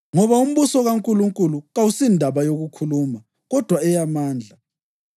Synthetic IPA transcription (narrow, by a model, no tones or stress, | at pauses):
ŋɔβaum̩βusɔɣaŋkʼuluŋkʼuluɣawusindʱaβajoɣukʰuluːma | ɣɔd̥ʱwaɛjamaːnd͡ɮʱa